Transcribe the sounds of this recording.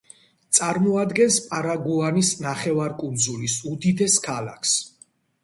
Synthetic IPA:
t̪sʼaɾmɔad̪ɡɛnspʼaɾaɡuanisnaχɛvaɾkʼund̪zulisud̪id̪ɛskʰala̰kʰs

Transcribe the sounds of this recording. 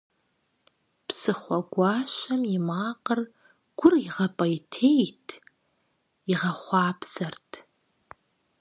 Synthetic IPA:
pʰsɨχʷɐɡʷɑːʃʷɐmimaːqər | ɡ̥ʷʊriʁɐpʼɐjtʰejtʰ | iʁɐχʷɑːpʰz̥ɐrtʰ

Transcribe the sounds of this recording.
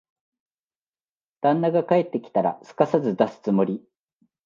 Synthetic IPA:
d̪̥ãnːaɡakae̞t̪ːe̞kʲi̥t̪aɾa̰sɨ̥kasazɨd̪asɨ̥t͡sɨmo̞ɾʲi

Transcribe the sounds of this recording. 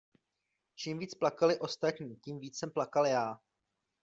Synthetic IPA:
t͡ʃiːmviːt͡splakalɪʔo̞st̪at̪ɲiːciːmviːt͡ssɛmplakaljaː

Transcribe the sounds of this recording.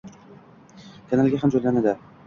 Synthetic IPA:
kʰʲanalɡʲaɦamd͡ʒojlanad̪ɪ

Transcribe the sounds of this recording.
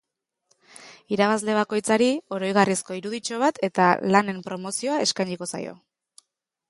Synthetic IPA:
iɾaβazle̞β̞ako̞jt͡saɾio̞ɾo̞jɣarisko̞iɾuðit͡ʃo̞β̞at̪e̞t̪a̰lane̞mpɾo̞mo̞sio̞ae̞skajɲiko̞sa̰jo̞̰

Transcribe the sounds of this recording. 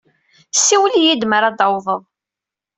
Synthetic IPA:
siwlijid̪məɾɑd̪əwðˤəðˤ

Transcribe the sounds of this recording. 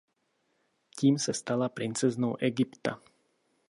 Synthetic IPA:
ciːmsast̪alapɾint͡sɛznɔʊʔɛɡipt̪a̰

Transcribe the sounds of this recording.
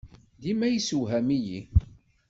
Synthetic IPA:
ðimæjisuwɦæmiji

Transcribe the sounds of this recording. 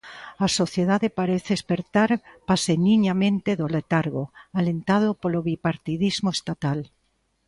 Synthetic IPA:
asoθjeðaðepaɾeθeespeɾt̪aɾpaseniɲamẽnt̪eðolet̪aɾɣoalent̪að̞opoloβipaɾt̪iðizmoest̪at̪al

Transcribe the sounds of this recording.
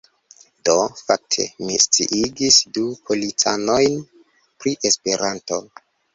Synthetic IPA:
do̞fak̚tʰe̞̰mist͡sḭʔiɡisdupʰo̞lit͡sano̞jn | pɾiʔe̞spe̞ɾanto̞

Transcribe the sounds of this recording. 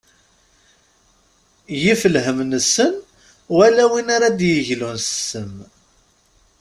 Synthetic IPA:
jifəlɦəmnəsːən | wælæwinaɾad̪jəʝlunsə̥səm

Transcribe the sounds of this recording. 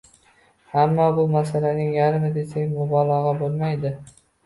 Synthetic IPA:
hamːɒbʊmasalanɪŋjaɾmɪd̪e̞sakʲmʊbɒlˠɒʁɑbolˠmajd̪ɪ

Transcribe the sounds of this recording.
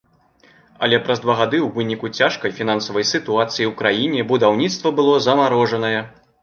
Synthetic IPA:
ɐ̰lʲɛpɾɐzd̪vaɣad̪ɨwvɨnʲikut͡sʲaʂkɐjfʲin̪ansɐvɐjsɨt̪uat̪sɨjiwkɾajinʲɛbud̪awnʲit̪st̪vɐbɨlˠɔzɐmaɾɔʐɐnɐjɛ

